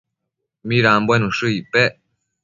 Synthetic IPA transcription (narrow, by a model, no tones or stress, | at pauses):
miɾaːmbwenuʃuipɛ